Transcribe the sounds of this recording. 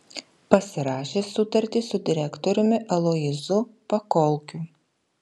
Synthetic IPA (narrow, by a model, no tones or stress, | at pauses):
pɐsʲɪɾɑːʃʲeːsʊt̪ɐɾʲt̪ʲɪsʊd̪ʲɪɾʲækt̪ɔɾʲʊmʲɪʔɐlˠoːjɪzʊpɐkɔlˠkʲuː